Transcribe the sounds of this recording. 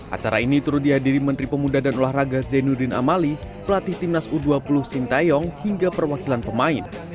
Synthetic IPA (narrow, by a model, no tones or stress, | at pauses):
ʔa̰t͡ʃaɾa̰init̪uɾut̪̚diɦadiɾimənt̪ɾipəmudadanolahraɡazɛnudɪna̰malipəlat̪ɪht̪imnasuduapulʊhsint̪ajɔŋhiŋɡapərwakilanpəmaɪn